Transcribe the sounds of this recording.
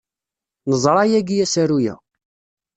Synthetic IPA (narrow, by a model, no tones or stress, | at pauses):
nəzˤɾˤɑjæɡijæsæɾujæ̰